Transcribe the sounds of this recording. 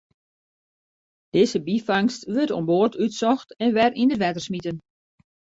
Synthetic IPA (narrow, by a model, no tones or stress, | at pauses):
d̥ɪzəbifaŋstʋøtɔ̰mboːrtytsɔxtɛnʋɛrindəʋɛtərsmitən